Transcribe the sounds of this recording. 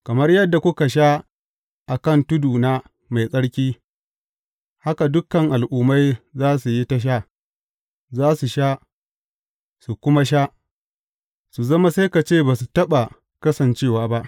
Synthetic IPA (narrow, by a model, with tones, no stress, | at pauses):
kɐ˨mɐ˦rjɐ˦dːa˨kʷʊ˦ka˨ʃ̬a˦ | ʔa˨kɐ˦˨ntʊ˦duː˨na˦ | ma˨jsʼɐ˦ɽkʲiː˦ | ha˦ka˨dʊ˦kːɐ˨ŋʔa˨lʔuː˨ma˦jzaː˦su˨ji˦ta˦ʃ̬aː˦ | zaː˦su˨ʃa˦ | su˨kʷʊ˦ma˦ʃ̬a˦ | su˨zɐ˦ma˦sa˦jka˨t͡ʃeː˦˨baː˨su˨tɐ˦ɓa˨ | kɐ˦sɐ˨nt͡ʃeː˦˨waː˦ba˦ʔ